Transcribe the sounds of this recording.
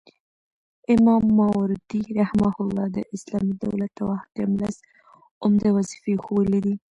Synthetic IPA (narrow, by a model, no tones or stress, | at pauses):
ɪmɑmːɑwɾd̪iɾahmahʊlːɑd̪əʔɪslɑmid̪a̰wlat̪awaxd̪emlas | ʊmd̪awazi̥fexowəlid̪i